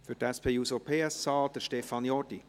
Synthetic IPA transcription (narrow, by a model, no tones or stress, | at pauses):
fydɛspʰejusopʰeːəst͡sɑːld̥əʃtefɑnjɔdi